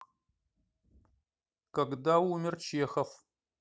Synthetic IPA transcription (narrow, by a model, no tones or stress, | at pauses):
kɐɡdawːmʲɪrt͡ʃʰɪjɛxɐf